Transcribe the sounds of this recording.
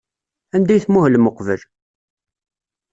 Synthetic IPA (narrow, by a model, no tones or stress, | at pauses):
ænd̪æjθmuhəlməqvəl